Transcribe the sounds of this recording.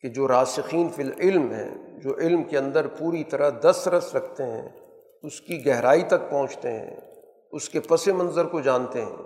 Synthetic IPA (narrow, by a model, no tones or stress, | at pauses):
ked͡ʒoːɾaːsɪxiːnfɪlɪlmɦɛ̰̃ːd͡ʒoːʔɪlmkeɐ̃nd̪əɾpuːɾit̪ɐɾəɦd̪ɐsɾɐsɾɐkʰt̪eɦɛ̰̃ | ʊskiɡɛɦɾaːit̪ɐk̚pɐ̃ɦʊ̃t͡ʃt̪eɦɛ̰̃ː | ʊskepɐsemɐ̃nzəɾkod͡ʒãːnt̪eɦɛ̰̃ː